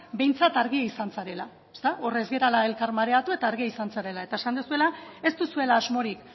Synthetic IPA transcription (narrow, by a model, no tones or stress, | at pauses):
be̞jnt͡sat̪aɾɣiaisansaɾe̞la | est̪aʔo̞re̞zɣe̞ɾalae̞lkaɾmaɾe̞at̪ue̞t̪aːɾɣiaisansaɾe̞lae̞t̪ae̞sand̪usue̞lae̞st̪usue̞laːzmo̞ɾik